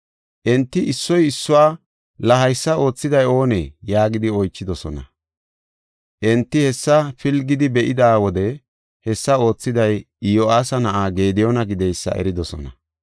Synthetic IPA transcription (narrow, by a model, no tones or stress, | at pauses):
ʔɛnt̪ːɪɪsːɔjɪsːʊwaː | lɐɦɐjsːɐo̞ːt͡sːɪd̪ɐjo̞ːnḛːjaːɡɪd̪ɪɔjt͡ʃːɪd̪ɔsɔnɐ̰ | ʔɛnt̪ːɪhɛsːɐfɪlɡɪd̪ɪbɛʔɪd̪aːwɔd̪ɛ | hɛsːɐo̞ːt͡sːɪd̪ɐj | ɪjoaːsɐnɐʔaːɡeːd̪ɪjɔnɐɡɪd̪ɛjsːɐ̰ʔɛ̰ɾɪd̪ɔsɔ̰nɐ̰